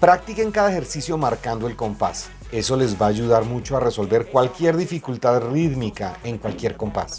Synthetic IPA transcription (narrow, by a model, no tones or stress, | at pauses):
pɾak̚t̪ikeŋkaðaexe̞ɾsisjo̞maɾkand̪oe̞lko̞mpa̰s | e̞so̞le̞zbaːʝuðaɾmut͡ʃo̞are̞so̞lbe̞ɾkwalkje̞ɾðifikult̪aðriðmikae̞ŋkwalkje̞ɾko̞mpa̰s